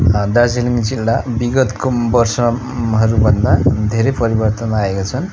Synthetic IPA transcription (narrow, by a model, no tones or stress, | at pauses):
d̪ad͡ziliŋd͡zilːabiɡʌt̪kobʌrsʌ | ɦʌɾubʱʌnd̪ad̪ʱeɾʌpʌɾibʌrt̪ʌnaekat͡sʰʌn